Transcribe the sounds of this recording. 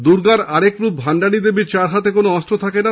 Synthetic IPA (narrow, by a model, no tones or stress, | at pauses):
d̪uɾɡaɾaɾekɾub̚bʱaɳɖanid̪ebiɾt͡ɕaɾɦat̪ekonoɔstɾot̪ʰakena